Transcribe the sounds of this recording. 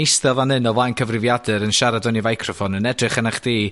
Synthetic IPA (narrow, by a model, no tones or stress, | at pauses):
ɪjstɛlˠvanɨnɔvajnkʰəvrɪvjadɨɾənʃaɾadɔnivajkʰrɔfɔnənɛdrɨχənaχd̥iː